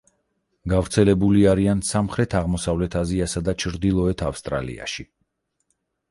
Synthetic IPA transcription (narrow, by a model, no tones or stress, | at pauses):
ɡavɾt̪sʰɛlɛbuliaɾiansamχɾɛt̪ʰaʁmɔsavlɛt̪ʰaziasad̪at͡ʃʰɾd̪ilˠɔɛt̪ʰafst̪ʼɾa̰lḭa̰ʃi